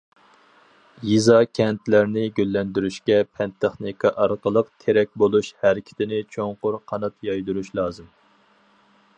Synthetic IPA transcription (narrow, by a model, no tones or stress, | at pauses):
jizɑkʲʰɛnt̪ʰlæɾnɪɡʲølːɛnd̪yɾyʃkʲɛpʰɛnt̪ʰeχnikʰɑʔɑɾqəlˠəqt̪ʰeɾɛk̚ʲbolˠuʃhæɾɪkʲʰɪ̥t̪ʰɪnɪt͡ʃʰoŋqʊɾqʰɑnɑt̪jɑjd̪uɾuʃlˠɑːzɨm